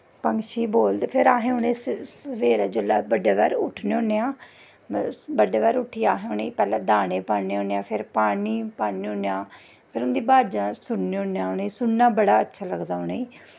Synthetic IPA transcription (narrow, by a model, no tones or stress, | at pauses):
pəŋɡʃiːboːld̪pʰɪɾaːɦẽːʊneːssəʋeːɾaːd͡ʒəlːaːbəɖeːʋɛ̰ːɾʊʈʰneːõneːãː | bəɖeːʋɛːɾʊʈʰiːaːɦẽːoneiːpɛːlɛ̃ːd̪aːɽeːpaːneːõnːãːpʰɪɾpaːniːpaːneːonːãː | pʰɪɾʊnd̪iːbaːd͡ʒãːsʊnnːeõnːãːneːsʊnːaːbəɽaːətːʃʰaːləɡd̪aːoneiː